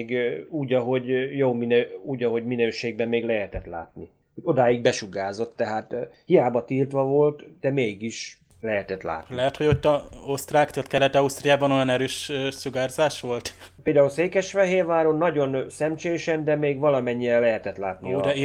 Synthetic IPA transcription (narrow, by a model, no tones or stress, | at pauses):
ɡuːɟɒɦo̞ɟjoːminøuːɟɒɦo̞ɟminøːʃeːɡ̚bɛmːeːɡlɛɦɛt̪ɛt̪la̰ːt̪ni | hoɟo̞d̪aːjiɡ̚bɛʃuɡaːzo̞t̪ːɛɦaːt̪hijaːbɒt̪iːrt̪ʋɒvo̞lt̪d̪̥ɛmeːɡiʃ | lɛɦɛt̪ɛt̪la̰ːt̪nlɛɦɛt̪ho̞ɟo̞t̪ːɒost̪raːkt̪at̪kɛlːɛt̪ɒust̪rijaːbɒno̞jɒnɛɾøːʃsuɡaːrzaːʃʋo̞lt̪peːld̪aːulseːkɛʃfɛɦeːrʋaːɾonːɒɟo̞nsɛmt͡ʃeːjʃɛnd̪ɛmeːɡʋɒlɒmɛɲːiɛlːɛɦɛt̪ɛt̪laːt̪nid̪ɛ